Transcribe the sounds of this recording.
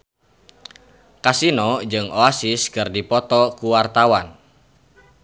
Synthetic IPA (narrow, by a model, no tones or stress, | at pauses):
kasinɔd͡ʒɨŋoasiskɨrdipɔt̪ɔkuwart̪awan